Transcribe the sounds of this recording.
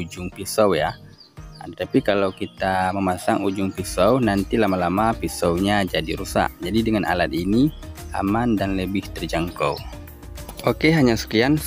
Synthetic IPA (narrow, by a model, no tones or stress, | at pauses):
ud͡ʒʊŋpisawja | ət̪apikalawkit̪aməmasaŋud͡ʒʊŋpisawnant̪ilamalamapisawɲad͡ʒadiɾusa̰ʔd͡ʒadidəŋana̰lat̪̚ini | a̰mandanləbɪht̪ərd͡ʒaŋko̰w | okeɦaɲasə̥kian